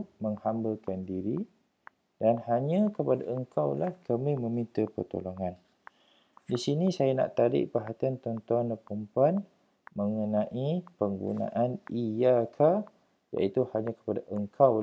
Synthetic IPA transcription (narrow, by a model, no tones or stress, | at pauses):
məŋhambəlkandiɾi | danhaɲãkəpada̰əŋkawlahkʰəmĩmə̃mĩnt̪əpə̰rt̪o̰loŋan | disinĩsajanã̰ʔt̪aɾɪ̰ʔpaɦat̪iant̪ɔnt̪uanəpəmpan | məŋənãʔipəŋɡṵnã̰ʔanijakʰa | ja̰ʔit̪uhaɲãkə̥padaʔəŋkʰaw